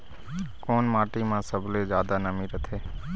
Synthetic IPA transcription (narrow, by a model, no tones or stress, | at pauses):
koːnmãːʈimãːsəbʱled͡ʒjaːd̪anəmĩɾət̪ʰeː